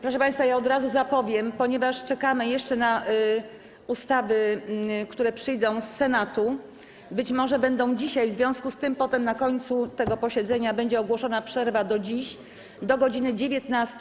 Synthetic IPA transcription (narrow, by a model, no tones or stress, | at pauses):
pɾɔʂ̬ɛpãj̃st̪fajaɔd̪ɾazuzapɔvʲjɛmpɔɲɛvaʂt͡ʂɛkamɘjɛʂt͡ʂɛna | ust̪avɘkt̪uɾɛpʂɘjd̪ɔ̃w̃sːɛnat̪u | bɘt͡ɕmɔʐɛbɛnd̪ɔ̃w̃d͡ʑiɕajvzvʲjɔ̃skust̪ɘmpɔt̪ɛmnakɔɲt̪sut̪ɛɡɔpɔɕɛd̪zɛɲabɛɲd͡ʑɛɔɡwɔʂɔnapʂɛɾvad̪ɔd͡ʑiɕ | d̪ɔɡɔd͡ʑinɘd͡ʑevʲjɛt̪nast̪